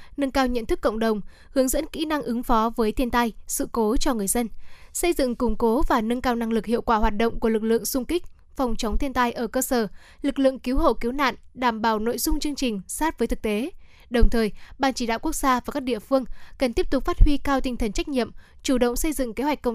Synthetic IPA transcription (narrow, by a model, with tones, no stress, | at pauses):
nə˧nkaː˧wɲə̰˧˨nt̪ʰɨ˦˥kːə̰˧˨wŋ͡mɗə˨˩wŋ͡m | hɨ˨˦əŋzə̰˧˥nkḭ˧˥na˧ŋʔɨ˨˦ŋfɔ˨˦vəː˨˦jt̪ʰi˧ənt̪a˧jsɨ̰˧˨ko˨˦t͡ɕɔ˧ŋɨ˨˩əjzə˧nsə˧jzɨ̰˧˨ŋkʊ˨˩ŋ͡mko˨˦vaː˨˩nə˧nkaː˧wna˧ŋlɨ˨˩k̚hḭ˧˨əwkwaː˧˩hwaː˨˩t̚ɗə̰˧˨wŋ͡mku˧˩əlɨ˨˩k̚lɨ̰˧˨əŋsʊ˧ŋ͡mkï˦˥k̟̚ | fa˨˩wŋ͡mt͡ɕə˨˦wŋ͡mt̪ʰi˧ənt̪a˧jʔəː˧˩kəː˧səː˧˩ | lɨ˨˩k̚lɨ̰˧˨əŋki˨˦wɦo̰˧˨ki˨˦wna̰ː˧˨nɗaː˧˩mɓaː˧˩wno̰˧˨jzʊ˧ŋ͡mt͡ɕɨ˧əŋt͡ɕï˨˩ŋ̟saː˦˥t̚vəː˨˦jt̪ʰɨ˨˩k̚t̪e˨˦ | ɗə˨˩wŋ͡mt̪ʰəː˨˩jɓaː˨˩nt͡ɕi˧˩ɗa̰ː˧˨wku˦˥ək̚z̥aː˧vaː˨˩kaː˦˥k̚ɗḭ˧˨əfɨ˧əŋkə˨˩nt̪i˦˥p̚t̪k͡p̚faː˦˥t̚hwi˧kaː˧wt̪ï˧˩ŋ̟t̪ʰə˨˩nt͡ɕa˦˥k̟̚ɲḭ˧˨əmt͡ɕu˧˩ɗə̰˧˨wŋ͡msə˧jzɨ̰˧˨ŋke˨˦ɦwa˨˩k̟̚kə˧˨ŋ͡m